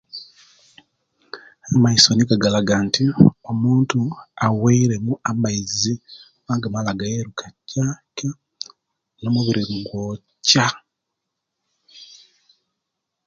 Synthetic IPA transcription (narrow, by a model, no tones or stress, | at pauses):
amaisoniɡaɡalaɡantiomuːntuaweiɾe̞muʔamaizi | waːɡamalaɡajeɾukʰacaka | nomuβiɾiŋɡo | ca